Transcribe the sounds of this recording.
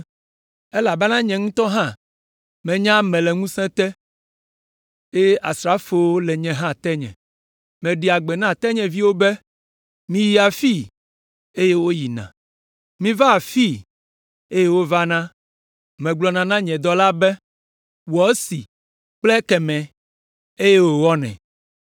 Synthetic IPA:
e˦la˨bɛ˦nã˦ɲɛ̃˨ŋũ˦t̪ɔ˦ɦã˦ | mɛ̃˨ɲã˦mɛ̃˨lɛ˨ŋũ˦sɛ̃˦t̪ɛ˦ | e˦ʔa˨sɾa˦fo˨wo˦lɛ˨ɲɛ̃˨ɦã˦t̪ɛ˦ɲɛ̰̃˨ | mɛ̃˨ɖi˨a˨ɡ͡bɛ˨nã˦˨t̪ɛ˦ɲɛ̃˨vi˦wo˦bɛ˦ | mĩ˦ji˦a˨fi˦˨ | e˦je˦wo˦ji˨nã̰˨ | mĩ˦va˦a˨fi˦˨ | e˦je˦wo˦va˦nã˦ | mɛ̃˨ɡ͡blɔ˨nã˨nã˦ɲɛ̃˨d̪ɔ˦la˦bɛ˦ | wɔ˨˦si˨ | k͡plɛ˦kɛ˨mɛ̃˨ | e˦je˦wo˨wɔ˦nɛ̰̃˨

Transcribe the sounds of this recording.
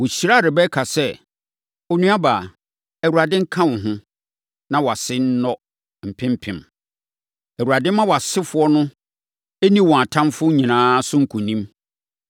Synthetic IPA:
wʊ˨ɕi˨ɾa˦˨ɾɪ˨bɛ˦kʰa˨sɛ˦ | o˨nũ˦a˦baː˨ | æ˨wu˨ɾa˨dɪ̃˦ŋ̩˦kʰã˦wɔ̃˨ɦʊ̃˦ | nã˦wɔ˨a˨sɪ˦n̩˦nɔ˦ | m̩˨pʰɪ̃˦m̩˦pʰɪ̰̃˨m | ɛ˨wu˨ɾa˨dɪ̃˦m˦mã˦wɔ˨a˨sɪ˦fʊ˦ɔ˦nʊ̃˦ | e˦nĩ˦wɔ̃˨a˨tʰã˦mfʊ˦ɲĩ˨nãː˦sʊ̃˦ŋ̩˨kʰʊ̃˨nĩ˦m

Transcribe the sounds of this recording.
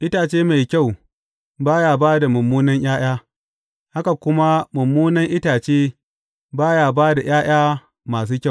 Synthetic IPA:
ʔɪ˦taː˨t͡ʃeː˦ma˨jkʲa˦˨w | baː˦jaː˨baː˦da˨mʊ˨mːuː˦nɐ˦ŋj̰aː˦j̰aː˦ | ha˦ka˨kʷʊ˦ma˦mʊ˨mːuː˦nɐ˦ŋʔɪ˦taː˨t͡ʃeː˦ | baː˦jaː˨baː˦da˨j̰aː˦j̰aː˦ | maː˨s̬uː˦kʲa˦˨

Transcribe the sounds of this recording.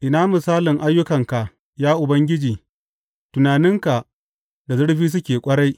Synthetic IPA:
ʔɪ˨naː˦mʊ˨saː˦lɪ˨ŋʔa˦jːʊ˦kɐ˨ŋka˨ʔ | jaː˦ʔʊ˨bɐ˦ŋɡʲɪ˦d͡ʒiː˨ | tʊ˨naː˨nɪ˦ŋka˨ʔ | da˨zʊ˦ɽɸiː˦s̬ʊ˦kʲeː˨kʷʼɐ˦ɽa˦j

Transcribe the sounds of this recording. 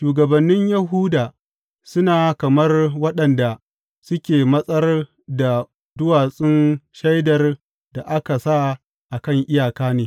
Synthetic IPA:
ʃuː˨ɡɐ˨bɐ˨nːɪ˦ɲjɐ˨ɦuː˦daː˨ | sʊ˦naː˨kɐ˨mɐ˦rwɐ˦ɗɐ˨nda˨ | sʊ˦kʲeː˨mɐ˦sʼɐ˦r | da˨ | dʊ˦waː˨sʼɪ˦nʃa˦jdɐ˨r | d̥a˨ʔa˦ka˨sa˦ | ʔa˨kɐ˦˨ŋʔɪ˦jaː˨kaː˦neː˨

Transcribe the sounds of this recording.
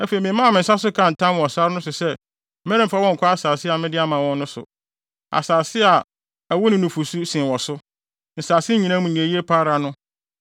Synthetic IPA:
æ˦fe˨i˨mɪ̃˨˦mã˦˨mɪ̃˨n̩˨sa˦sʊ˦kʰã˦n̩˨tʰã˦m˨ɔ˨sa˦ɾnʊ̃˦sʊ˨sɛ˦ | mɛ˦ɾɪ̃˦m˨fa˦wɔ̃˦ŋ̩˨kʷʰɔ˦a˦saː˨sɪ˦a˨mɪ̃˦dɪ˦a˦mã˨wɔ̃˦n˦nʊ̃˦sʊ̰˨ | a̰˨saː˨sɪ˦a˨ | æ˨wɔ˦nɪ̃˨˦nʊ̃˨fu˨su˦sɪ̃˨wɔ˨sʊ˦ | n̩˨saː˨sɪ˦ɲĩ˨nã˦mũ˨ɛ̃˨ji˦e˦pʰaː˦ɾa˨nʊ̃˦

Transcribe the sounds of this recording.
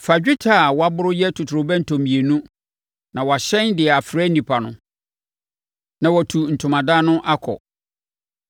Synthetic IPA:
fa˨ɪ˦tʰa˦˨wɔ˦a˦bʊ˦ɾʊ˦jɛ˦tʰʊ˨tʰʊ˨ɾʊ˨bɛ̃˦n̩˨tʰõ˨mĩ˨e˨nũ˦ | nã˨wɔ˨a˨ɕɛ̃˦ndɪ˨ɛ˨a˨fɾɛ˦n̩˦nĩ˨pʰa˨nʊ̃˦ | nã˨wɔ˨tʰu˨n̩˨tʰʊ̃˨mã˨daː˦nʊ̃˦ʔa˦kʰɔ̰˨

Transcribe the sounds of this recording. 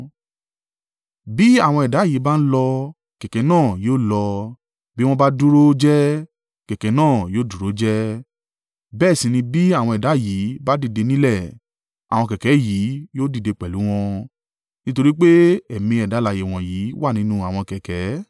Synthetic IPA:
bi˦a˦˨w̃ɔ̃˧ɛ˨da˨˦˨ji˨˦ba˦n̩˦lɔ˧ | kɛ˨kɛ˨˦nãː˦˨joː˦lɔ˧ | bi˦w̃ɔ̃˧ba˦du˦ɾo˦d͡ʒɛ˦ | kɛ˨kɛ˨˦nãː˦˨joː˦du˨ɾo˦d͡ʒɛ˦ | bɛː˦˨sĩ˧nĩ˧bi˦a˦˨wɔ̃˧ɛ˨da˨˦˨ji˨˦ba˦di˦˨de˧nĩ˦lɛ˦˨ | a˨w̃ɔ̃˧kɛ˨kɛ˨˦ji˨˦joː˦di˦˨de˧k͡pɛ˨lu˨˦w̃ɔ̃˧ | nĩ˦to˧ɾi˦k͡pe˦ɛ˨mĩ˧ɛ˨da˨˦la˨je˨w̃ɔ̃˨jiː˨˦wa˦˨nĩ˨˦nũ˦a˨w̃ɔ̃˧kɛ˨kɛ˨˦

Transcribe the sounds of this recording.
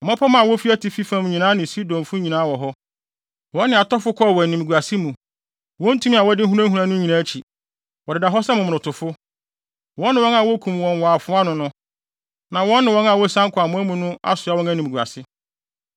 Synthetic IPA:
ɔ˨mã˦pʰɔ˦mã˦˨wɔ˦fi˦æ˦tʰɪ˨fi˦fã˦˨m˦ɲĩ˨nãː˦nɪ̃˨si˦dɔ̃˨mfʊ̃˦ɲĩ˨nãː˦wɔ˨ɦɔ˦ | wɔ̃˦nːɪ̃˨a˨tɔ˦fʊ˦kʰɔ˦˨wɔ˨nĩ˨mi˨ɡu˨a˨sɪ˦mũ˨ | wɔ̃˦n̩˦tʰũ˦mĩ˦a˨wɔ˦dɪ˦ɦu˦ɾã˦ɦu˨ɾã˦nʊ̃˦ɲi˨nãː˦t͡ɕʰi˨ | wɔ˨dɪ˨da˨ɦɔ˦sɛ˦mʊ̃˨ʊ̃˨tʰʊ˨fʊ˦ | wɔ̃˦nːɪ̃˨wɔ̃˦na˨wɔ˦kʰũ˨mwɔ̃˨nwaː˨fʊ˦a˦nʊ̃˨nʊ̃˦ | nã˨wɔ̃˦nːɪ̃˨wɔ̃˦na˨wɔ˦sã˦ŋ̩˦kʰʊ˨a˨mʊ̃˦mũ˦nʊ̃˦a̰˦sʊ˨a˨˦wɔ̃˦næ̃˦nĩ˨m˨ɡu˨a̰˨sɪ˦

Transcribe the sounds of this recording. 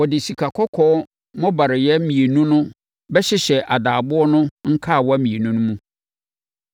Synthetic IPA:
wɔ˨dɪ˨si˨kʰa˨kʰɔ˦kʰɔː˦ | mɔ̃˦ba˨ɾɪ˨jɛ˦mĩ˨e˨nũ˦nʊ̃˦ | bɛ˦ɕɪ˦ɕɛ˨ʔa˨daː˨bʊ˦ɔ˦nʊ̃˦ŋ̩˦kʰa˦˨wɔ˦a˦mĩ˨e˨nũ˦nʊ̃˦mũ˦

